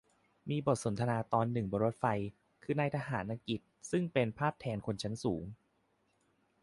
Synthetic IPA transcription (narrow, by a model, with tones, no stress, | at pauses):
miː˧bo˨˩t̪̚so˩˦nt̪ʰa˧naː˧t̪ɔː˧nːɯ˨˩ŋbɔː˧ɾo˦˥t̪̚fa˧j | kʰɯː˧naː˧jt̪ʰaː˧ɦaː˩˦nʔa˧ki˨˩t̪̚sɯ˥˩ŋpe˧npʰaː˥˩p̚t̪ʰɛː˧nkʰo˧nt͡ɕʰa˦˥nsuː˩˦ŋ